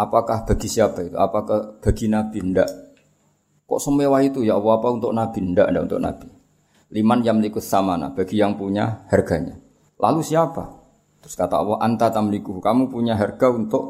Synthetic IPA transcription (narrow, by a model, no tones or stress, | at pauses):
apakahb̥aɡisiapait̪uapakahb̥aɡinab̥indaʔ | kɔ̰ʔsəmewaɦit̪ujawɔɦapaunt̪ʊʔnab̥indaʔndaʔunt̪ʊ̰ʔna̰b̥i | limanjaŋməlikʊt̪̚samana̰b̥aɡijaŋpuɲahɛrɡaɲa̰ | lʔa̰lusiapa̰ | t̪ɾʊ̥skat̪a̰wɔhʔant̪at̪aməlikuhkamupuɲaɦɛrɡ̥aunt̪ʊʔ